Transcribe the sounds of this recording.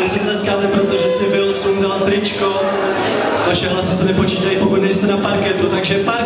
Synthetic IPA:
t͡sit̪lɛskaːt̪ɛpɾot̪oʒɛsɪvɪlsumdalt̪ɾɪt͡ʃko | vaʃɛɦlasɪsɛnɛpo̞t͡ʃiːt̪ajipokut̪nɛjst̪ɛnapaɾkɛt̪ut̪aɡʒɛpaɾ

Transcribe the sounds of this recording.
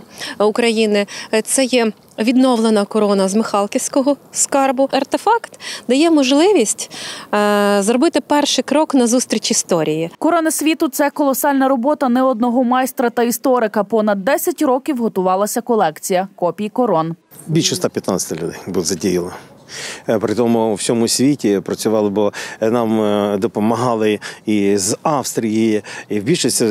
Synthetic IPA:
ʊkɾɐjinɪt̪sɛjɛ | ʋʲid̪nɔwlˠenɐkɔɾɔnɐzmɪxɑlˠkʲiwʲsʲkɔɦɔskɑrbʊɐrt̪efɑkt̪d̪ɐjɛmɔʒlˠɪʋʲisʲtʲ | zɾɔbɪt̪ɪpɛrʃɪkɾɔknɐzust̪ɾʲit͡ʃist̪ɔɾʲijikɔɾɔnɐsʲʋʲit̪ʊt̪sɛkɔlˠɔsɑlʲnɐɾɔbɔt̪ɐnɛɔd̪̚nɔɦɔmɑjst̪ɾɐt̪ɐist̪ɔɾɪkɐpɔnɐd̪ːɛsʲɐtʲɾɔkʲiwɦɔt̪ʊʋɑlˠɐsʲɐkɔlˠɛkt͡sʲijɐkɔpʲijikɔɾɔn | bʲilʲʃɛst̪ɑpʲjɐt̪nɑɐ̥t̪ɪlʲʊd̪ɛjbuzɐdʲijilˠɐ | pɾɪt̪ɔmʊwsʲɔmʊsʲʋʲitʲipɾɐt͡sʲʊʋɑlˠɪbɔnɑmd̪ɔpɔmɐɦɑlˠɪizɑwst̪ɾʲijijiiwbʲilʲʃɪsʲɐ

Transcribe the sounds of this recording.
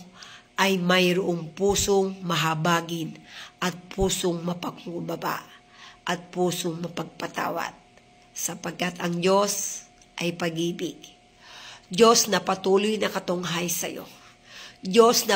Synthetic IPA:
ʔɐjmɐjɾʊʔoŋpuːsoŋmɐɦabaːɡɪnʔɐt̪̚pʰuːsoŋmɐpɐɡ̚mubɐba̰ʔ | ʔɐt̪̚puːsoŋmɐpɐɡ̚pɐt̪a̰ːwa̰t̪̚ | sɐpɐɡ̚kat̪ɐŋd͡ʒo̞s | ʔajpɐɡiːbɪɡ | d͡ʒo̞snɐpɐt̪uːlojnɐkɐt̪o̞ŋɦajsɐ̰jo̞̰ | d͡ʒo̞snɐ

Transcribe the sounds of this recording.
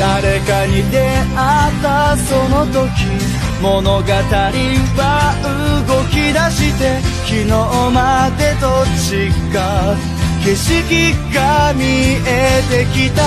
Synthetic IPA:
d̪̥aɾe̞kaɲid̪e̞ | at̪ːaso̞no̞t̪o̞kʲi | mo̞no̞ɡat̪aɾʲiβaɯ̟ɡo̞kʲid̪aɕit̪e̞kʲino̞mad̪e̞t̪ot͡ɕiɡa | kiɕikʲiɡamʲiet̪e̞kʲit̪a

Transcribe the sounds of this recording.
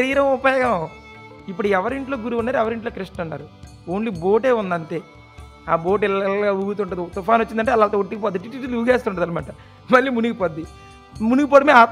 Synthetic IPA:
ɾiːɾɐmupɐjɐɡɐ | ipːuɽuɛʋɐɾiɳʈloːɡuɾuʋunːaːɾɛʋɐɾiɳʈloːkɾiʂʈɐnːa̰ːɾu | oːɳlibo̞ːʈe̞ːund̪ɐnt̪e̞ː | aːbo̞ːʈ̬ɛlɡauɡut̪̬uɳʈːɐd̪it̪upaːnot͡ʃːind̪ɐɳʈ̬eːlɐlt̪ooʈːikip̬ɔːd̪iʈiʈːiʈːiluːɡeːst̪ːuɳʈːɐd̪ɐlimaːʈɐ | mɐlːiːmunuɡipɐd̪ːi | munɡipɔːʈimeaːt̪

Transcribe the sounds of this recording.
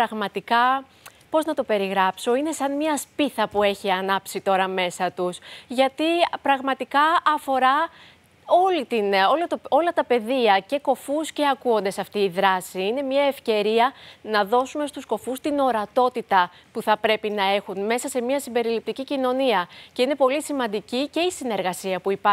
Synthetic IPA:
ɾɐɣmɐt̪ikɐ | po̞znɐt̪ope̞ɾiɣɾɐpso̞ine̞sɐnmɲɐspiθɐpue̞çiɐnɐpsit̪o̞ɾɐme̞sɐt̪usʝɐt̪ipɾɐɣmɐt̪ikɐɐfo̞ɾɐ | o̞lit̪ino̞lot̪oo̞lɐt̪ɐpe̞ðiɐce̞ko̞fusce̞ɐkuo̞nd̪e̞sɐft̪iːðɾɐsiine̞mɲɐe̞fce̞ɾiɐnɐðo̞sume̞st̪usko̞fust̪ino̞ɾɐt̪o̞t̪it̪ɐ | puθɐpɾe̞pinɐe̞xunme̞sɐse̞miɐsimbe̞ɾilip̚t̪icicino̞niɐce̞ine̞po̞lisimɐnd̪icice̞isine̞ɾɣɐsiɐpuipɐ

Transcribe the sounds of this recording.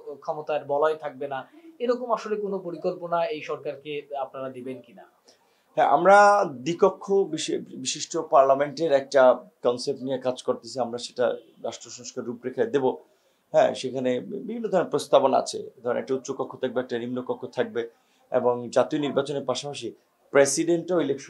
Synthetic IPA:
kʰɔmot̪aeɾbɔlaet̪ʰak̚bena | eɾɔkomaʃolekonopoɾikolponaejʃɔɾkaɾkeapnaɾad̪ebenkina | ɦɛ̃ʔa̰mɾad̪ikokʰːobiʃebiʃiʃʈopaɾlameɳʈeɾɛk̚ʈakɔnsep̚ʈnijekad͡ʑkoɾt̪esʰiamɾaʃe̥ʈa̰ | ɾaʃʈɾoʃɔŋʃkaɾːupɾekʰad̪ebo | ɦɛ̰̃ʃekʰanebibʱinːod̪ʱɔɾeɾpɾost̪abonaa̰t͡ɕʰḛd̪ʱɔɾenɛ̰kʈaut̪ːʃokɔkʰːot̪ʰak̚beɛk̚ʈanimnokɔkʰːot̪ʰak̚be | ḛboŋd͡ʑat̪ioniɾbat͡ɕoneɾpaʃapaʃ̬i | pɾesiɖeɳʈoilekʃ

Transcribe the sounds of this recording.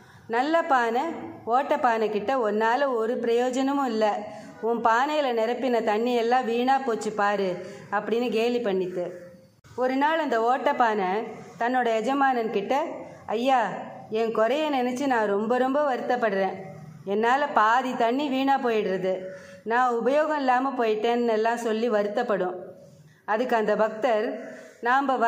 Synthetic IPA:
nɐlːɐpaːnɐoːʈːɐpːaːnɐkːɪʈːɐɔɾnaːlɐ̃ɔɾɯpɪɾɐjoːd͡ʒɐnɐmʊ̃ɪlːɐ | ʊnpaːnɐjɪlɐnɛɾɐpːɪnɐt̪ɐɳːiɛlːãːʋiːɳaːpoːt͡ʃːɯpaːɾɯɐpːɐɽɪnːɯk̬eːlipɐɳːɪt̪ːɯ | ɔɾɯnaːlɐnd̪ɐoːʈːɐpːaːnɐt̪ɐnːoːɽɐɛd͡ʒɐmaːnɐnkɪʈːɐ | ɐjːaːɛnkɔɾɐjɐnɪnɛt͡ʃːɯnãːɾɔmbɐɾɔmbɐʋɐɾɯt̪ːɐpːɐɽɯɾẽː | ɛnːaːlɐpaːðit̪ɐɳːiʋiːɳaːpoːjɪɽɾɐðɯ | nãːʊbɐjoːɣɐ̃ɪlːaːmɐpoːjɪʈːẽːnɛnɛlːãːsɔlːiʋɐɾɯt̪ːɐpːɐɽʊ̃ | ɐðɯkːɐnd̪ɐbɐk̚t̪ɐɾnaːmbɐʋ

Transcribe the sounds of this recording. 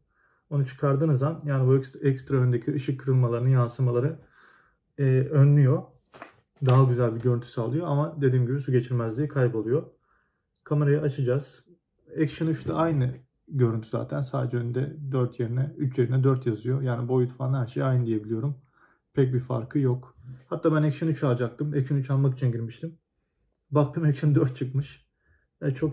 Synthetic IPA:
o̞nut͡ʃʰɯ̥kʰaɾd̪ɯnɯzd̪anjaːnibuɛksɛkst̪ɾaønd̪ecʰiɯʃɯkʰːɯɾɯlˠmalˠaɾɯnɯjansɯmalˠaɾɯ | ɛønlʲyjo̞ | d̪aɦaɟyzælʲbiɟø̞ɾynt̪ʰy̥saːlˠɯjoamad̪e̞d̪iːmɟibisuɟe̞t͡ʃʰiɾmæzlʲiikʰajbo̞lˠujo̞ | kʰame̞ɾajaat͡ʃʰɯd͡ʒaz̥ | ɛksʃanyʃt̪ʰaajnɯ | ɟø̞ɾynt̪ʰyza̰ːt̪ʰænsaːd̪e̞d͡ʒɛønynd̪ɛd̪øɾt̪ʰje̞ɾinɛyt͡ʃje̞ɾinɛd̪øɾt̪jazɯjo̞jaːnibojut̪ʰu̥faːnhæɾʃe̞jajnɯd̪ije̞bilʲijo̞ɾum | pʰɛc̚bifa̰ɾkʰɯjokhat̪ʰːaːbænɛcʃanyt͡ʃʰalˠd͡ʒak̚t̪ɯmɛcʃanyt͡ʃalˠmak̬it͡ʃʰinɟiɾmiʃt̪ʰim | bak̚t̪ʰɯːmɛcʃand̪øɾt̪̚t͡ʃʰɯkmɯʃ | ɛt͡ʃʰo̞k

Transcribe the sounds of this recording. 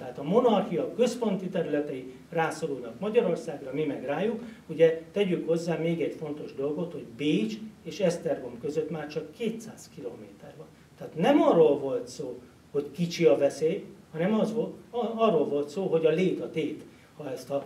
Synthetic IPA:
t̪ɛɦaːt̪ɒmo̞nɒrxijɒkø̞spo̞nt̪it̪ɛɾylɛt̪ɛi | raːsoɾulnɒkmɒɟɒɾo̞rsaːɡrɒmimɛɡraːjukuɟɛt̪ɛɟykho̞zːaːmeːɡɛɟfo̞n̪t̪o̞ʒd̪o̞lɡo̞t̪ho̞ɟbeːt͡ʃeːʃɛst̪ɛrɡomkø̞zøt̪maːrt͡ʃɒkʰːeːt̪saːzkiloːmeːt̪ɛrbɒn | t̪ɛɦːt̪nɛmɒrːoːlvo̞lt̪soː | ho̞ckit͡ʃiɒvɛseːjhɒnɛmɒzoɒrːolvo̞lt̪soːɦo̞ɟɒleːt̪ɒt̪eːt̪ | hɒɛst̪ɒ

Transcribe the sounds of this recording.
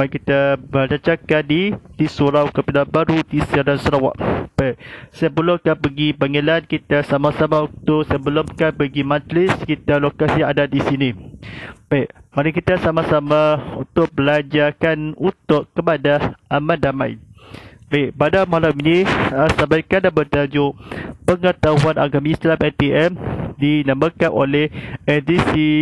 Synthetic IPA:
akit̪abəd͡ʒat͡ʃakadit̪isuɾawkəpilabaɾudisiaɾansəɾawa̰ʔb̥ajʔsajabəlokahpəɡibaŋəlankit̪asamasamaut̪ʊʔsəbəlʊmkahpəɡimad͡ʒlɪskit̪alokasiadadisini | b̥ajʔmaɾikit̪asamasamaunt̪ʊk̚bəlad͡ʒakanunt̪ʊʔkːəpadaʔamadamaḭnbaiʔpadamalamɲiasambajkandabət̪ad͡ʒupəŋət̪aɦuanʔa̰ɡamislamɛlt̪eʔɛmdinaməkanʔo̰lɛhɛd̪isi

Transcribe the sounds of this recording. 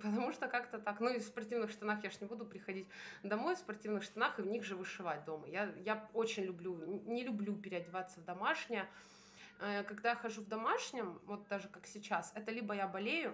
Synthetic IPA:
pət̪ɐmuʂt̪okakt̪ət̪aknuɪfspɐrtʲivnɨxʂt̪ɐnaxjaʐnʲɪbud̪ʊpɾʲɪxɐdʲitʲd̪ɐmo̞jfspɐrtʲivnɨxʂt̪ɐnaxɨvnʲiɣʐɨvɨʂɨvat̚ʲd̪o̞mə̰jajaot͡ɕɪnʲlʲʊblʲunʲɪlʲʊblʲupʲɪɾʲɪɐdʲɪvat̪sːəvd̪ɐmaʂnʲɪjə | əkɐɡd̪ajaxɐʐuvd̪ɐmaʂnʲɪmvo̞t̪̚d̪aʐɨkaksʲɪt͡ɕasɛt̪əlʲibəjabɐlʲejʊ

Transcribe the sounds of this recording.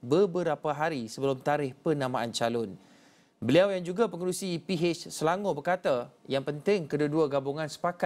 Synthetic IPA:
bəbəɾapaɦaɾisəbəlʊmt̪aɾɪhpənãmãʔant͡ʃalʊn | bəliawjaŋd͡ʒuɡapəŋəɾusipiɦet͡ʃsəlaŋobərkat̪ajaŋpənt̪ɪŋkədaduaɡabuŋãnsə̥paka

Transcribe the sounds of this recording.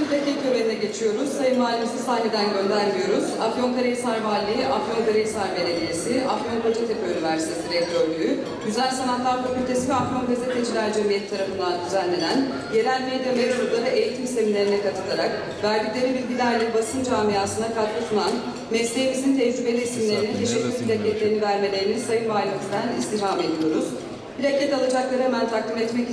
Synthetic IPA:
ind̪ecʲecʰøveɾinɛɟe̞t͡ʃʰijo̞ɾuz̥sajɯmmaːlʲimsisaːned̪ænɟø̞nd̪æɾmijo̞ɾuzafio̞nkaɾejisaɾvalʲːˠiiʔafio̞nkaɾejsaɾveɾelʲije̞siʔafjo̞npʰat͡ʃʰet̪ʰepʰøynivæɾsi̥t̪ʰe̞siɾed̪ɾølʲyy | ɟyzælʲsanat̪lˠaɾfacʲylʲt̪ʰe̞sivɛafjo̞nɡazet̪ʰed͡ʒilʲæɾd͡ʒemijɛt̪ʰːaɾafɯnd̪and̪yzænlːʲe̞næn | je̞ɾælʲmejd̪emeɾud̪lˠaɾɯʔe̞jit̪ʰimisemimlʲe̞ɾinɛkat̪ʰɯ̥t̪ˠaɾak | væɾb̪iklʲe̞ɾinbilʲɟilʲæɾlʲɛbasɯnd͡ʒaːmijaːsɯnd̪akʰad̪lˠɯsʰunan | mɛslʲijemizint̪ʰezibe̞lʲiisimlʲe̞ɾinit̪ʰe̞ʃɛcːyɾbilʲecʰːɛt̪lʲe̞ɾinivæɾme̞lʲe̞ɾinisajɯnbaːlʲiit̪d̪ænist̪iɦhame̞d̪ijo̞ɾuz̥ | bilʲecʰɛt̪alˠad͡ʒaklˠaɾɯhemænt̪ʰaklʲimɛt̪mɛc

